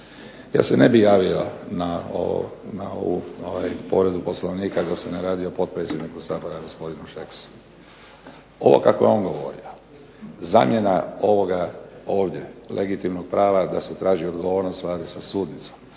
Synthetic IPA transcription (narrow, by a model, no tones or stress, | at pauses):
ja̰ːsene̞bijaːʋiona̰ | nao̰ṵoʋajpo̞̰ɾe̞d̪upo̞sloʋniːkad̪aseneɾaːd̪io̞po̞t̪̚pɾet̪sʲje̞d̪nikusaːbo̞ɾaɡo̞spo̞d̪inuʃeksu̥ | o̞ʋo̞̰kakojeo̞nɡo̞ʋo̞̰ɾio | za̰ːmje̞nao̞ʋo̞ɡao̞ːʋd̪je̞lʔe̞ɡit̪imnoɡ̚pɾaːʋad̪aset̪ɾaːʒio̞d̪ɡo̞ʋo̞ːɾnost̪ʋlaːd̪isasuːd̪nit̪som